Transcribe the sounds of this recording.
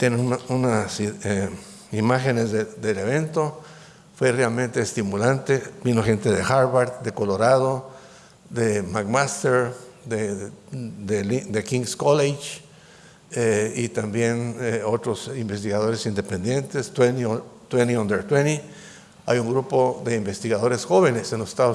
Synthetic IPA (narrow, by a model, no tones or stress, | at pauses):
t̪jenenununase | imaxenesed̪eleβent̪o | fwerealmẽnt̪eːst̪imulant̪ebinoxent̪eðexaɾβaɾt̪d̪ekoloɾað̞o | d̪emaɡmast̪eɾd̪e | d̪elid̪ekiŋɡskolet͡ʃ | eit̪ambjeneot̪ɾosimbes̬t̪iɣað̞oɾesind̪epend̪jent̪eswent̪weniond̪eɾt̪weni | a̰juŋɡɾupoðeimbest̪iɣaðoɾesxoβenesenlose̥st̪aðo